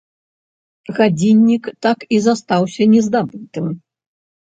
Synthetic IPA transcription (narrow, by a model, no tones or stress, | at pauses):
ɣad͡zʲinʲːikt̪akizast̪awsʲɐnʲɛzd̪abɨt̪ɨm